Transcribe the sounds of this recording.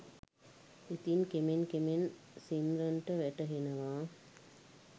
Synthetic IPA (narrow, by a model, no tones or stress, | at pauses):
it̪inkemenkemen | simɾɐɳʈəʋæʈɐɦenɐʋaː